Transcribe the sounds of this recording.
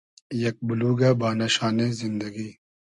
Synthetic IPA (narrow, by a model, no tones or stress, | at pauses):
jɐk̚bʊluːɡabaːnaʃaːnezɪnd̪ɐɡiː